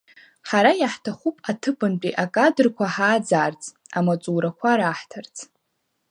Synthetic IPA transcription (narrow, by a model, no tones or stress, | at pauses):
ħaɾajaħtʰaχupʼatʰɨpʰʼɨnpʼiʔakʼadɨrkʷʰaħaːd͡zaːrt͡sʼ | amat͡sʼuːɾakʷʰaɾaːħtʰart͡sʰʼ